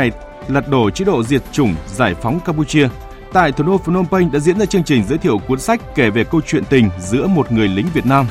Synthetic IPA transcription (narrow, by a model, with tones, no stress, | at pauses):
lə˨˩t̚ɗo˧˩t͡ɕḭ˧˥ɗo̰˧˨zi˨˩ət̚t͡ɕʊ˧˩ŋ͡mzaː˧˩jfɔ˨˦wŋ͡mkaː˧mp̬u˧t͡ɕi˧ə | t̪a̰ː˧˨jt̪ʰu˧˩ɗo˧fu˧˩no˧mpə˧jŋ̟ɗa̰ː˧˥zḭ˧˥ənzaː˧t͡ɕɨ˧əŋt͡ɕï˨˩ŋ̟zəː˨˦jt̪ʰḭ˧˨ə˨wku˨˦ənsa˦˥jk̟̚ke˧˩ve˨˩kə˧wt͡ɕwḭ˧˨ənt̪ï˨˩ŋ̟zɨ̰˧˥əmo˨˩t̚ŋɨ˨˩əjlï˨˦ŋ̟vi˨˩ət̚naː˧m